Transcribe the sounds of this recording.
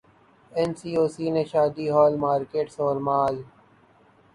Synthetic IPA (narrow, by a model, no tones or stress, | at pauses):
ɛnsiːoːsiːneʃaːd̪iːɦɔːlmaːɾkeːʈsɔːɾmaːl